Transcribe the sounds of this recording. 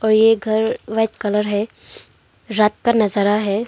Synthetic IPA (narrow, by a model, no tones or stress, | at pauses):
ɔːɾjeɡʱɐɾʋat͡ʃkələɾɦɛ | ɾaːt̪̚kanɐzəɾaɦɛː